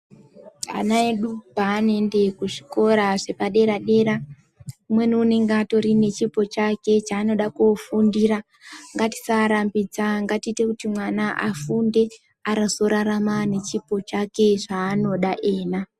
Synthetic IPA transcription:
a̰naeɗupaːne̞nde̞kuʐiko̞ɾaʐe̞paɗe̞ɾaɗe̞ɾa | mwe̞nuune̞ŋɡato̞ɾine̞t͡ʃipo̞t͡ʃake̞t͡ʃaːno̞ɗakofundira | ŋɡati̥saɾambid͡zaŋɡatiːte̞kutimwanaʔa̰funde̞ | aɾaso̞ɾaɾamane̞t͡ʃipo̞t͡ʃake̞ʐaːno̞ɗaʔe̞ːna

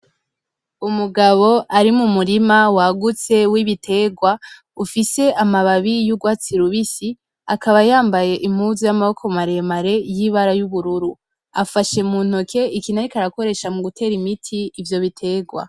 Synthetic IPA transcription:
umuɡaβo̞aɾimumuɾimawaɡut͡se̞wiβitʰe̞ːɡwa | ufise̞ʔamaβaβijuɡwaːt͡siɾuβisi | akaβajaːmbaje̞ʔim̥huzujamaokʰo̞maɾe̞maɾe̞jiβaɾajuβuɾuɾu | afaʃe̞muːn̥hokʰe̞ikinaɾikaɾako̞ɾe̞ʃamuɡutʰe̞ːɾimitʰiːvjo̞βitʰe̞ːɡwa̰

